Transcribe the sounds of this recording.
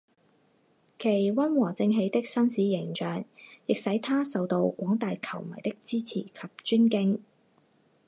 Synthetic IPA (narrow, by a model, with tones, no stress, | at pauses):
kʰe˨˩jwɐ˥nwɔː˨˩t͡sɪ˧ŋɦe˨˧jt̪ɪ˥k̚sɐ˥nsiː˨˥jɪ˨˩ŋt͡ʃœː˨˩ŋjɪ˨k̚sɐ˨˥jt̪ʰaː˥sɐ˨˧wt̪o˧wkʷɔː˨˥ŋt̪aː˨jkʰɐ˨˩wmɐ̰˨˩jt̪ɪ˥k̚t͡siː˥t͡sʰḭː˨˩kʰɐ˨p̚t͡ʃyː˥nkɪ˥ŋ